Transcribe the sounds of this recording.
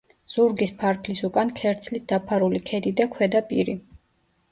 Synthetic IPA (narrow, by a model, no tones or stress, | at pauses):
z̥uɾɡispʰaɾpʰlisukʼankʰɛɾt̪sʰlit̪̚ʰd̪apʰaɾulikʰɛd̪id̪akʰwɛd̪apʼiɾi